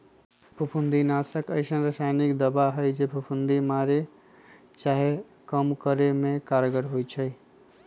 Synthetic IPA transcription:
pʰupʰund̪inasəkəjsə̃ɾəsajnikd̪əbaɦəjd͡ʒepʰupʰund̪imaɾe | t͡ʃaɦe | kəmkəɾemekaɾɡəɾɦojt͡ʃʰəj

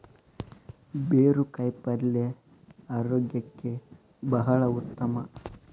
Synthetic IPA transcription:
beːɾukɐjpɐɾle | aːɾoːɡjɐkːe | bɐɦɐɭɐut̪ːɐmɐ

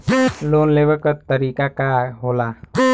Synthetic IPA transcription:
loːnleːbəɾkəɾt̪əɾiːkakaɦoːlaː

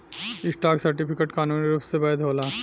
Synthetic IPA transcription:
ɪsʈaːksɐɾʈipʰɪkeʈkaːnuːniɾuːpsebaːɪd̪ʱɦoːlaː

